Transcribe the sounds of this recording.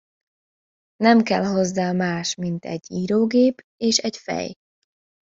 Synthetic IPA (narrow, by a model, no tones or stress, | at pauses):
nɛmkɛlɦo̞zːaːmaːʃmint̪ɛ̰ɟːiːɾoːɡeːp | eːʃɛcfɛ̰j